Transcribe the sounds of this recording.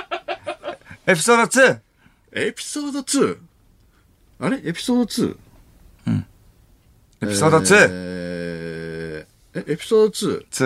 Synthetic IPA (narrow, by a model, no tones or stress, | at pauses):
epʲi̥soːd̪ot͡sɨː | epʲi̥soːd̪ot͡sɨː | aɾeʔepʲi̥so̞ːd̪ot͡sɨ̰ː | ɯ̟̃ɴ | epʲi̥soːd̪ot͡sɨː | eʔepʲi̥soːd̪ot͡sɨːt͡sɨ